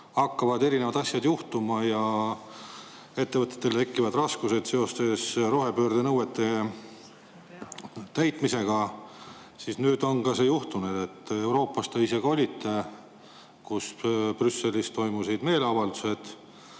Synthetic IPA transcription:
ɑkːɑvɑd̪e̞ɾinevɑd̪̥ɑsjɑd̪juht̪umɑjɑ | e̞t̪ːe̞vɤt̪ːˑet̪ːˑe̞lt̪e̞kːˑivɑd̪rɑskuse̞d̪̥se̞o̞st̪e̞sro̞ɦe̞pøːrd̪̥enɤwe̞t̪ːˑe̞ | t̪æjt̪ˑmise̞ɡ̥ɑ | sisnyːd̪̥o̞ŋkɑsejuht̪unud̪e̞t̪ːe̞wɾo̞ːpːˑɑst̪eise̞ɡ̥o̞lʲit̪ːe̞ | kusprysːe̞list̪o̞jmusid̪̥me̞ːleɑvɑld̪̥use̞d̪̥

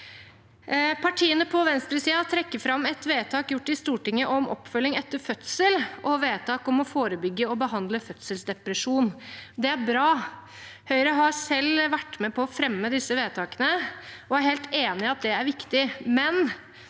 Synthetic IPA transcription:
pʰɑʈʰiːənəpʰɔʋɛnst̪ɾəsiːɑt̪ʰɾɛkːəfɾɑmːɛt̪ʋeːt̪ʰɑːkjʊʈːɪst̪uːʈɪŋːəʔɔmɔ̰pːfœlːɪŋɛt̪ːəɾfœt̪səlʔɔʋeːt̪ʰɑːkɔmɔfoːɾəbʏɡːəɔbəɦɑnd̪ləfœt̪səlsd̪ɛpɾəʂuːnd̪ɛæɾbɾɑː | hœʏɾəɦɑɾsɛlʋæʈːmɛpʰɔːfɾɛmːəd̪ɪsːəʋeːt̪ʰɑːkənəɔæɾheːlt̪eːnɪɑt̪̚d̪ɛæɾʋɪkt̪ɪmɛn

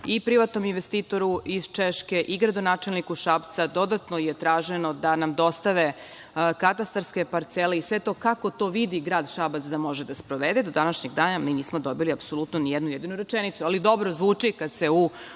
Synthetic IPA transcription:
ipɾiʋat̪no̞minʋest̪iːt̪o̞ɾuiz̥t͡ʃeʃke̞ʔiɡɾad̪onaːt͡ʃe̞lnikuʃapt̪sad̪o̞d̪at̪nojet̪ɾaːʒeno̞d̪anamd̪o̞st̪aʋe | kat̪ast̪aɾske̞paɾt̪seleisʋe̞t̪o̞ːkako̞t̪o̞ːʋid̪iɡɾaːd̪ʃabat̪sd̪amo̞ʒed̪aspɾoʋed̪ed̪o̞d̪anaʃɲeɡd̪aːnaminiːsmod̪o̞biliapsolut̪nonijed̪nujed̪inuɾet͡ʃenit̪sualid̪o̞bɾozʋuːt͡ʂikad̪se̞u

